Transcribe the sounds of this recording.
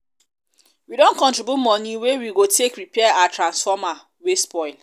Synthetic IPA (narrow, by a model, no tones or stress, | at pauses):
widõnkɔ̃ntɹibjutmɔnĩwewiɡotʰekɹipɛɛatɹãnsfɔma | wespɔɪl